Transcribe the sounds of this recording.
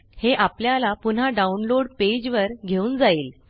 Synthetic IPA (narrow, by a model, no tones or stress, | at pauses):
heʔapljalapun̤aɖaunloɽped͡ʑʋəɾɡʱeuːnd͡zaiːl